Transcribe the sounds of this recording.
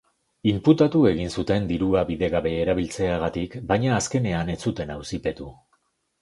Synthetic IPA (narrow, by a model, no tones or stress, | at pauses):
imput̪at̪ue̞ɣ̞insut̪e̞nd̪iɾuaβiðe̞ɣaβe̞ːɾaβ̞ilt͡se̞aɣ̞at̪ikbajɲaːske̞ne̞ane̞t͡sut̪e̞nawsipe̞t̪u